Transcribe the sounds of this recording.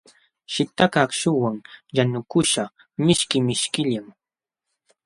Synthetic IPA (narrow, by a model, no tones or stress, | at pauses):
ʃɪt̪akakʃʊwaŋjanʊkʊʃa | mɪʃkɪmɪʃkɪʎaŋ